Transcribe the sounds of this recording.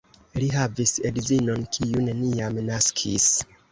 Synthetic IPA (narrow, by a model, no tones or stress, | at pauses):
liɦavisedzinonkʰijuneniamnaskʰis